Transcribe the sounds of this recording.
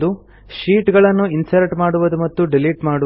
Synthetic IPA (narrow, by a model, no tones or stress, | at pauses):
d̪u | ʃiːʈɡɐɭɐnːuinsɐɾʈmaːɽuʋɐd̪umɐt̪ːuɖiliːʈmaːɽu